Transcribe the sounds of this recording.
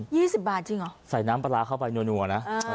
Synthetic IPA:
jiː˥˩si˨˩p̚baː˨˩t̪̚t͡ɕi˧ŋʔɔ˨˦sa˨˩jnaː˦˥mpa˧laː˧kʰa˥˩wpa˧jnu˧ənu˨˩ɐna˦˥ʔ

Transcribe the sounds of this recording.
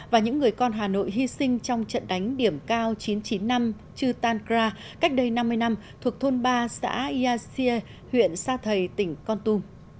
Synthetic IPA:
vaː˨˩ɲɨ̰˧˥ŋːɨ˨˩əjkɔ˧nɦaː˨˩no̰˧˨jɦi˧sï˧ŋ̟t͡ɕɔ˧wŋ͡mt͡ɕə̰˧˨nɗa˨˦jŋ̟ɗi˧˩əmkaː˧wt͡ɕi˨˦nt͡ɕi˨˦nːa˧m | t͡ɕɨ˧t̪aː˧nkzaː˧ | ka˦˥k̟̚ɗə˧jna˧mːɨ˧əjna˧m | t̪ʰu˨˩ək̚t̪ʰo˧nɓaː˧sa̰ː˧˥i˧ʔaː˧si˧ə˧ | hwḭ˧˨ənsaː˧t̪ʰə˨˩jt̪ï˧˩ŋ̟kɔ˧nt̪u˧m

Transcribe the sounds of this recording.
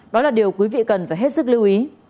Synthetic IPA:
ɗɔ˨˦laː˨˩ɗi˨˩əwkwi˨˦vḭ˧˨kə˨˩nfaː˨˧˩jɦe˦˥t̚sɨ˦˥k̚li˧wʔi˨˦

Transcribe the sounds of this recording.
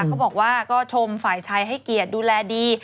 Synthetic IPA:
a˦˥wbɔː˨˩k̚waː˥˩kɔː˥˩t͡ɕʰo˧mfaː˨˩jt͡ɕʰa˧jɦa˥˩jki˨˩ət̪̚duː˧lɛː˧diː˧

